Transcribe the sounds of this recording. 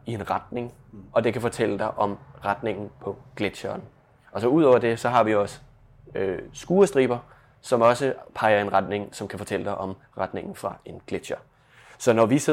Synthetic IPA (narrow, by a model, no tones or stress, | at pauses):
ie̝nʁad̥ne̝ŋ | ɒ̽d̥e̝kʰæfɒ̽t͡sʰel̰əd̥ɑ̈ɪʔɒ̽mʁad̥ne̝ŋn̩pʰɒ̽ɡ̥le̥ɕɐːn | ɒ̽sɒ̽uð̞̰ˠɒʊ̰ɐd̥e̝sɒ̽ɦɑ̈ʋiɒ̽sə̥ | øsɡ̥uːɐsd̥ʁḭːb̥ɐ | sɒ̽mɒ̽səpʰɑ̈ɪɐe̝nʁad̥ne̝ŋsɒ̽mkʰæfɒ̽t͡sʰel̰əd̥ɑ̈ɪʔɒ̽m | ʁäd̥ne̝ŋn̩fʁɑ̈e̝nɡ̥led̥ɕɐ | sɒ̽nɒʋise̝